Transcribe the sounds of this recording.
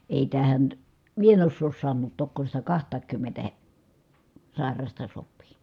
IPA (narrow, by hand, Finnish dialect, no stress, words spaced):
eˑi tæhæn mie en osːoːs sɑnːuːt tokːo sitæ kɑhtˑɑːŋkymːentæ he sɑˑi̯rɑstɑ sopˑiː